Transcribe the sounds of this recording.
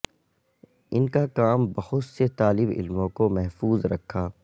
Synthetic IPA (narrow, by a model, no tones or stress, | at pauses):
ɪnkakaːmbɐhʊt̪set̪aːlɪbɪ̰lmõkomɛɦfuːzɾɐkʰːaː